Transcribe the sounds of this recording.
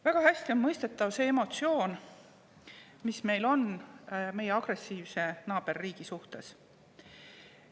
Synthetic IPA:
væɡ̥ɑhæsʲt̪ionmɤjst̪e̞t̪ːˑɑvse̞ːemo̞t̪sio̞ːn | misme̞jlo̞nme̞jeɑɡ̥re̞sːiːvse̞nɑːb̥e̞rːiːɡ̥isuht̪e̞s

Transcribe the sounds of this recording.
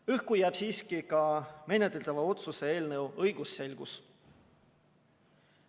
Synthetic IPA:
yhkujæːb̥siːskikɑme̞net̪ːˑelt̪ɑvɑo̞t̪suse̞e̞ːlnəwɤjɡ̥usːe̞lʲɡ̥us

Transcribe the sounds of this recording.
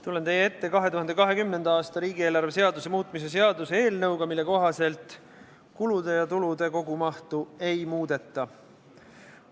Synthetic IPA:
t̪ulːe̞nt̪e̞jee̞t̪ːe̞kɑɦe̞t̪uhɑnd̪ekɑɦe̞kymne̞nd̪̥ɑɑːst̪ɑɾiːɡie̞ːlɑrvese̞ɑd̪use̞muːt̪ːˑmis̬e̞s̬e̞ɑd̪usee̞ːlnɤwɡ̥ɑmilːe̞ko̞ɦɑse̞lt̪ | kulud̪̥e̞jɑt̪ulud̪e̞ko̞ɡumɑht̪ue̞jmuːd̪̥e̞t̪ːɑ

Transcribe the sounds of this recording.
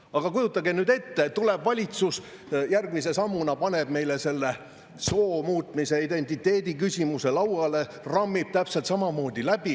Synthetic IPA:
ɑɡ̥ɑkujut̪ːˑɑɡenyːd̪e̞t̪ːet̪uleb̥vɑlʲit̪sus | jærɡmis̬e̞sɑmːunɑpɑne̞b̥me̞jlese̞lːe̞ | so̞ːmuːt̪ˑmise̞id̪e̞nʲt̪ːˑit̪ːˑe̞ːd̪ikysʲimuse̞lɑwɑle̞ | rɑmːib̥̚t̪æpselt̪sɑmɑmo̞ːd̪ilæb̥i

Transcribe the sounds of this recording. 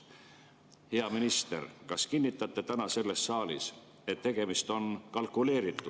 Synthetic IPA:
heɑminist̪e̞̰rkɑskinːit̪ːˑɑt̪ːˑe̞t̪ænɑse̞lːe̞ssɑːlḭs | e̞t̪ːe̞ɡ̥e̞mist̪o̞nkɑlkˑule̞ːɾit̪ːˑud̪̥

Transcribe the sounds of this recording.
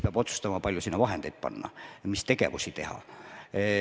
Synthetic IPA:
peɑb̥o̞t̪su̥st̪ɑmɑpɑlʲjusinːɑvɑɦend̪e̞jd̪̥̚pɑ̰nːɑ̰mist̪e̞ɡ̥e̞̰vusit̪e̞hɑ̰

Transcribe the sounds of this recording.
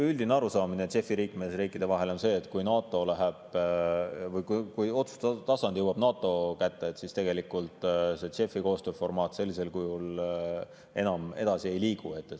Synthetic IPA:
yld̪̥ineɑɾusɑːminet̪se̞fːiɾiːkme̞sriːkːˑid̪̥e̞vɑɦe̞lo̞nse̞ːt̪ˑkujnɑːt̪ːˑo̞læɦeb̥ | vɤjkukujo̞t̪su̥st̪t̪ɑsɑnd̪̥juwɑb̥nɑːt̪ːˑo̞kæt̪ːe̞et̪sist̪e̞ɡ̥elikːult̪se̞se̞fiko̞ːst̪øːfo̞rmɑːt̪ːse̞lːise̞lkujul | e̞̰nɑme̞d̪̥ɑsie̞jliːɡ̥ue̞t̪ːe

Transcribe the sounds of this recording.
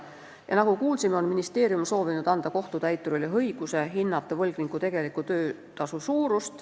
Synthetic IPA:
jɑ̰nɑɡukuːlsimeo̞nminist̪e̞ːɾiumso̞ːvinud̪̥ɑnd̪̥ɑko̞ht̪ut̪æjt̪ːˑuɾuliɦɤjɡ̥use̞ɦinːɑt̪ːˑevɤlɡ̥niŋkut̪e̞ɡ̥e̞likːˑut̪ø̞ː | t̪ɑsusuːɾust̪

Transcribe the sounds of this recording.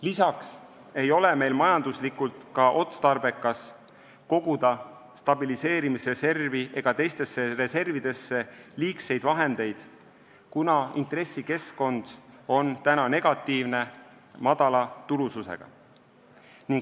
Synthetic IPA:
lisɑks | e̞jo̞le̞me̞jlmɑjɑnd̪̥uslikult̪kɑʔo̞t̪st̪ɑrbe̞kːˑɑs | ko̞ɡ̥ud̪̥ɑ | st̪ɑbilise̞ːɾimisre̞se̞rviʔe̞ɡ̥ɑt̪e̞jst̪e̞sːe̞re̞se̞rvid̪̥e̞sːe̞liːkse̞jd̪̥vɑɦe̞nd̪̥e̞jd̪̥ | kunɑint̪re̞sːike̞skko̞nd̪̥o̞nt̪ænɑne̞ɡ̥ɑt̪ːiːvne̞ | mɑd̪̥ɑlɑt̪ulususe̞̰ɡ̥ɑ̰ | niŋɡ

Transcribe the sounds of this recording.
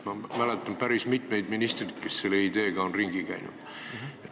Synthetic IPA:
mɑmælet̪ːˑɑmpæɾismit̪me̞jd̪minist̪rit̪ke̞sselːeid̪e̞ːɡ̥ɑonriŋɡ̥ikæ̰jnṵd̪̥

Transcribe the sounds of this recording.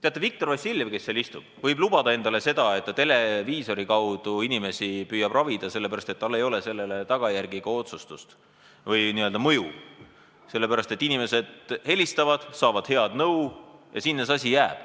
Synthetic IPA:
t̪eɑt̪ːˑevik̚t̪o̞rvɑsʲilʲvke̞sːeːlist̪ub̥vɤjblub̥ɑd̪ɑe̞nd̪̥ɑle̞se̞d̪̥ɑe̞t̪ːˑɑt̪e̞le̞viːso̞ɾikɑwd̪̥uinime̞sipyːjɑb̥rɑvid̪ɑse̞lːepæɾɑst̪e̞t̪ːɑlːe̞jo̞lese̞lːe̞le̞t̪ɑɡ̥ɑjærɡ̥iɡ̥ɑo̞t̪sust̪ust̪ | vɯjniøld̪ɑmɤju | se̞lːe̞pæɾɑst̪e̞t̪ːinime̞se̞d̪̥he̞lʲist̪ɑvɑd̪̥sɑːvɑd̪̥he̞ɑd̪̥nɤwjɑ̰sinːesɑsʲijæːb̥

